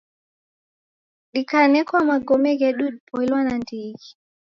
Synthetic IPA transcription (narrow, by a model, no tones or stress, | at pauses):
ɗikanɛkwamaɡɔmɛɡɛɗuɗ̚pʰɔilwanandiɣi̥